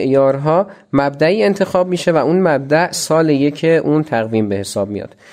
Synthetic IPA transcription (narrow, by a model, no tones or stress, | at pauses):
ʔjɒːɾɦɒːmæb̚d̪æʔiːe̞nt̪ʰe̞xɒːb̚miːʃe̞væʔuːnmæb̚d̪æʔsɒːlejecʰeʔuːnt̪ʰæɣviːmbehe̞sɒːb̚mḭjɒ̰ːd̪̥